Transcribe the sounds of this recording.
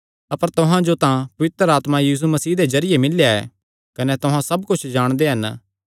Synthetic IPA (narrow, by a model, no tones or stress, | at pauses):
ɐpəɾt̪ʊɦãd͡ʒot̪ãpɐʋɪt̪ɾəɾaːt̪mãjiːs̬umɐsiːd̪ezɐɾɪjemɪljaɛ̰ː | kɐnet̪ʊɦãsɐbkʊt͡ʃʰd͡ʒaːɽ̃d̪eɦɐn